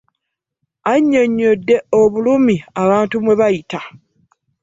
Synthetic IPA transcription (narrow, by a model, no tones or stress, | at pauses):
aɲːo̞ɲːodːe̞oβulumiaβaːntumwe̞βajita